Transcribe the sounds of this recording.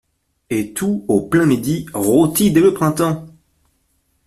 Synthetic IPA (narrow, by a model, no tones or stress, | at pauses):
et̪uoplɛ̃med̪iʁot̪id̪eləpχɛ̃t̪ɑ̃